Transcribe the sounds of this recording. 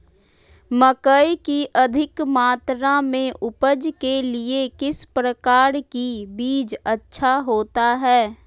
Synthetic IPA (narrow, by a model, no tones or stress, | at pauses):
məkəikiʔəd̪ʱɪkmaːt̪ɾamẽʔʊpəd͡ʒkeliekɪspɾəkaːɾkibiːd͡ʒətːʃʰaɦoːt̪aɦɛː